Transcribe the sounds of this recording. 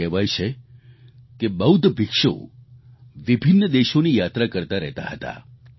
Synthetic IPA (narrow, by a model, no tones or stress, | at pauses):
ɛʋajt͡ʃʰe | keməwd̪ʱbikʂo̰ | ʋibʱinːəd̪eʃonijat̪ɾakəɾt̪aɾɛ̰ɦt̪a̰ɦət̪a̰